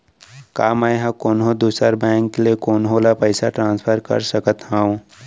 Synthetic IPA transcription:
kaːmajɦãkoːnɦod̪uːsəɾbɛ̃ːŋkːliekoːnɦolapəɪsaʈɾãːnspʰəɾkə̰ɾsəkət̪ɦãːũ

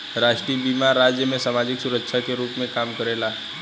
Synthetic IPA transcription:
ɾaːʃʈɾiːbiːmaɾaːd͡ʒjəmẽsaːmaːd͡ʒɪksʊɾəkʃʰakeɾuːpmẽkaːmkəɾeːla

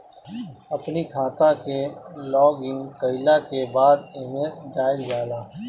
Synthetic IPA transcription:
ɐpnikʰaːt̪ãkelɔːɡɪ̃ŋɡkəɪlakebaːd̪ɪmẽd͡ʒaːɪzd͡ʒaːd̪aː

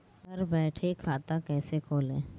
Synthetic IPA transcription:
sɐɾbɛːʈʰekʰaːt̪akɛːsekʰoːlẽː

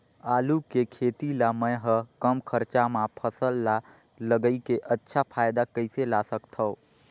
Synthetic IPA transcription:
aːlukekʰeːt̪ilamə̃jɦəkəmkʰəɾt͡ʃamãpʰəsəlːa | ləɡəikeʔətːʃʰapʰaːjd̪akəɪselasəkt̪ʰə

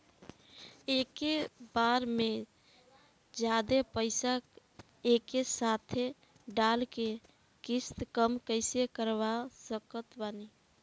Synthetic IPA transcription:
ekebaɾme | d͡ʒjad̪epəɪsak | ekesat̪ʰe | ɖalke | kist̪kəmkəɪsekəɾbasəkət̪bani

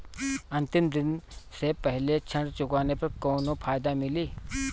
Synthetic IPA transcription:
ɐ̃nt̪ɪmd̪ɪnsepəɦlet͡ʃʰɐ̃ɳɖt͡ʃʊkaːnepɐɾkoːnõpʰaːjd̪amɪliː

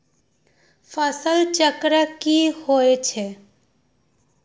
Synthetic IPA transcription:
fʰəsəlt͡ʃəkɾəkihoet͡ʃʰe

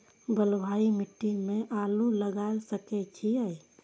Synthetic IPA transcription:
bəlbʱaimiʈːimẽʔaluləɡalsəkɛt͡ʃʰiəi

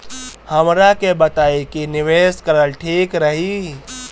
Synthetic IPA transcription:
həmɾakebət̪aːekinɪʋeːskəɾəlʈʰiːkɾəɦi

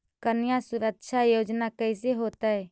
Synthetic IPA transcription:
kənɪjãsʊɾəkʃʰajoːd͡ʒnakəɪs̬eɦoːt̪aɦɛː

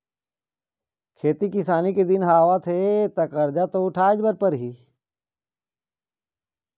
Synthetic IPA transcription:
kʰeːt̪ikɪsaːniked̪ɪnɦaːʋat̪ʰet̪ɐkɐɾd͡ʒat̪oʊʈʰaːd͡ʒbɐɾpəɾɦiː

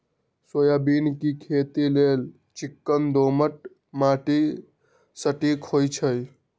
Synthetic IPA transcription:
sojabinkikʰet̪ilel | t͡ʃikːənd̪oməʈ̚ | maʈi | səʈikhojt͡ʃʰəj

